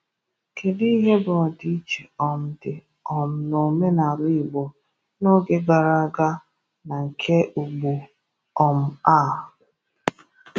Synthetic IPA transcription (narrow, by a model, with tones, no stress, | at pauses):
ke˨di˦ɦe˦bɔ˨di˦t͡ʃe˨ɔ˨m̩˨dɪ˨ | ɔ˨m̩˨no˨me˦na˨ɾi˦ɪ˨ɡ͡bɔ˨ | no˦ɡe˦ɡa˨ɾa˨˦ɡa˦ | na˨ŋ̩˨kʰe˦ʔu˨ɡ͡bu˨ | ɔ˨m̩˨a˦˨